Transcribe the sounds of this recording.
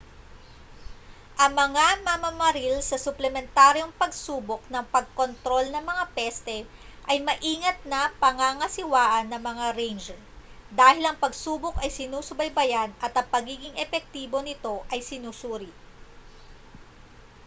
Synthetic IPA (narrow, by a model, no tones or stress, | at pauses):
ʔɐŋmɐŋamɐmɐmɐɾilsɐsʊplɛmɛnt̪aːɾjo̞ŋpɐɡsuːbok̚nɐŋpɐɡ̚ko̞nt̪ɾo̞lnɐŋmɐŋapɛst̪ɛ | ʔɐjmɐʔiːŋɐt̪̚nɐpɐŋaŋɐsɪwaːʔɐnːɐŋmɐŋaɾɛjnd͡ʒɛ | d̪aːhɪlɐŋpɐɡsuːbokɐjsɪnuːsʊbɐjbɐjanɐt̪ɐŋpɐɡiːɡɪŋɛpɛk̚t̪iːbo̞nɪt̪o̞ʔɐjsɪnusuːɾɪ